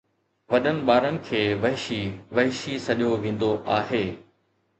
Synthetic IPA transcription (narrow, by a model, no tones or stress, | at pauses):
ʋɐɗənɪ̆ɓaːɾənɪ̆kʰeːʋɐɦɪʃiʋɐɦɪʃisɐʄjoʋẽːn̆d̪oʔaːɦeː